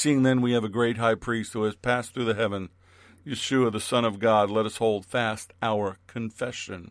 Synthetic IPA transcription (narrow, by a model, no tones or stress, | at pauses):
siɪ̃ŋðɨ̃nwiɨvɨɡɹeɪt̚ɦaɪpʰɹ̥ist̚huɨz̥pʰæsθɹʉðɨɦɛvɨ̃n | jɨʃʉəðəsʌ̃ñʌvɡɑdˡlɛɾʌshoʊlˠd̥fæstaʊə˞kʰɨ̃ɱfɛʃɨ̰̃n